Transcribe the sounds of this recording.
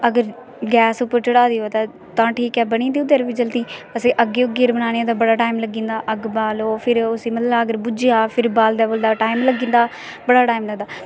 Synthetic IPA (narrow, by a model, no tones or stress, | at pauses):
əɡəɾ | ɡɛːsʊpːəɾt͡ʃəɽaːd̪iːɦoːt̪aː | t̪ãːʈʰiːkɛːbəɽ̃ĩːd̪iːd̪əɾʋiːd͡ʒəlt̪ĩːəseːʔəɡːeːʊɡɪɾbənaːñẽːt̪ãːbəɽaːʈaːimləɡĩːnd̪aːʔəɡbaːloːpʰɪɾʊsĩːməlːlaːəɡəɾbʊd͡ʒijaːpʰɪɾbaːld̪ɛːboːld̪aːʈaːimləɡĩːnd̪aː | bəɽaːʈaːimləɡd̪aː